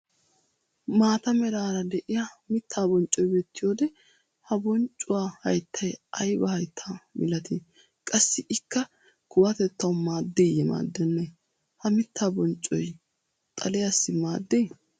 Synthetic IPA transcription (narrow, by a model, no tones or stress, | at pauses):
maːt̪ɐmɛɾaːɾɐd̪ɛʔɪjɐmɪt̪ʰːaːbɔnt͡ʃʼɔjbeːt̪ːɪjo̞ːd̪ɛ | hɐbɔnt͡ʃʼːʊwaːhɐjt̪ʰːɐjʔɐjbɐhɐjt̪ʰːaːmɪlɐt̪ɪ | kʼɐsːɪʔɪkːɐ | kʊwɐt̪ɛt̪ːɐwmaːd̪ːejɛma̰ːd̪ːɛnːɛ | hɐmɪt̪ʰːaːbɔnt͡ʃʼːɔj | t̪ʼɐ̰lɛjɐsːɪmaːd̪ːej